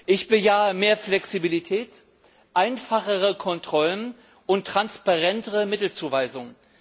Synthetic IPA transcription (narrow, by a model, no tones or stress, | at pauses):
ʔɪçb̥əjaːəmeːɐflɛksibilitʰɛːt | ʔaɪnfaχəʁəkʰɔntʁ̥ɔlən | ʔʊntʁ̥anspaʁɛntəʁəmɪtl̩t͡suːvaɪzʊŋə